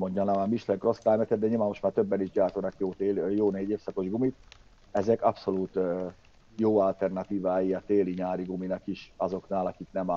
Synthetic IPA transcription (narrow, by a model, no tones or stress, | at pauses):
moɲɟɒnɒamiʃlɛŋkro̞st̪aːjmɛt̪ɛd̪̚d̪ɛɲilvanmːo̞ʃt̪maːrt̪øbːɛniʒɟaːrt̪onɒkjoːt̪ejoːneːɟeːfsɒko̞ʒɡumit̪̚ | ɛzɛkɒpso̞luːt̪ø | joːɒlt̪ɛrnɒt̪iːvaːjiɒt̪eːliɲaːɾiɡuminɒkiʃɒzo̞knaːlɒkiknɛm